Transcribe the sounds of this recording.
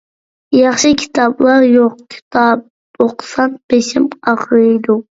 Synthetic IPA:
jɑχʃɨkʲʰi̥t̪ʰɑblˠɑɾjoq̚kʲʰi̥t̪ʰɑb̚ | oqsɑnb̥eʃɪmɑqʰɾɨjd̪u

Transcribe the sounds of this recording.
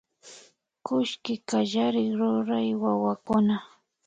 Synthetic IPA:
kʊʃkɪkaʒaɾɪχɾʊɾajwawakʊna

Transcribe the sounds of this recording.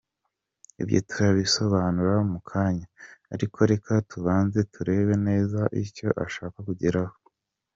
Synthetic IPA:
ḭbjo̰tuɾaβiso̞βaːnuɾaumukʰaːɲaːɾikʰo̞ɾe̞kʰatuβaːnze̞tuɾe̞βe̞ne̞ːzaʔiɾco̞ʔa̰ʃaːkakuɟiɾaho

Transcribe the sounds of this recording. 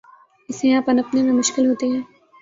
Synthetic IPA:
ɪsẽãːpɐnɐpnemẽmʊʃkɪlɦoːt̪eɦɛ̃ː

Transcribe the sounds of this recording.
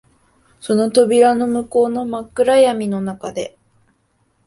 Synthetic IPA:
so̞no̞t̪o̞bʲiɾano̞mɯ̟ko̞ːno̞makːɯ̟ɾajamʲino̞nakad̪e̞

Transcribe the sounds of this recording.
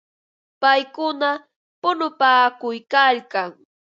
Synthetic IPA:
pajkʊna | pʊnʊpaːkʊjkalkaŋ

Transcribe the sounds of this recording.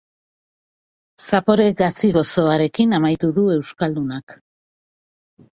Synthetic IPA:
sapo̞ɾe̞ɣasiɣo̞so̞aɾe̞kinamajt̪uðue̞wskald̪unak

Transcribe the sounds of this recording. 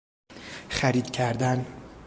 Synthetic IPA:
χæɾiːd̪cʰæɾd̪æn

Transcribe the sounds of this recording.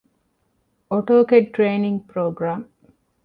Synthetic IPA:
oʈoːkeʈʈɾeːniŋɡpɾoːɡɾaːm

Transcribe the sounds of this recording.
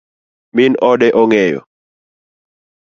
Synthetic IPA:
minɔdɛʔɔŋɛjɔ̰

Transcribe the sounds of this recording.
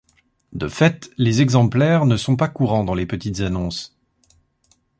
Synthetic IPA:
d̪əfɛt̪lezɛɡzɑ̃plɛʁnəsɔ̃pakuʁɑ̃d̪ɑ̃lepət̪it̪zanɔ̃s

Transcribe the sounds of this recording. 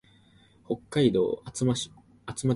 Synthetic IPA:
ho̞kːaid̪o̞̰ː | at͡sɨma

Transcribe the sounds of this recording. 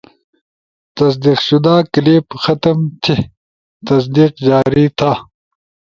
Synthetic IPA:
t̪ɐs̬d̪iːqɕʊd̪aːkɐleːbxɐt̪ɐmt͡ɕʰe | t̪ɐs̬d̪iːqd͡ʑaːɾit̪ʰa

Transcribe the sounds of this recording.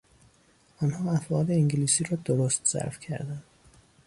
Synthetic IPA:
ɒnhɒːæt̪ɒːd̪eiŋɟiliːsiːɾɒːd̪oɾoːst̪z̥æ̰ɾfcʰæ̰ɾd̪ænd̪̥

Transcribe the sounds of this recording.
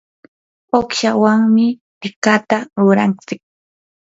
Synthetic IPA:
okʃawaŋmɪt̪ɪkat̪aɾʊɾant͡sɪk̚

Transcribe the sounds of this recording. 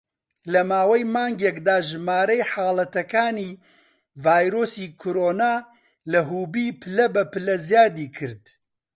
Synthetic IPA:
lɐmaːwɐjmaːŋɡekd̪aːʒɨmaːɾɐjħaːlˠɐt̪ɐkaːniː | vaːjɾoːsiːkʰoɾoːnaː | lɐɦuːbiːpʰɨlɐbɐpɨlɐzjaːd̪iːkʰɨɾd̪

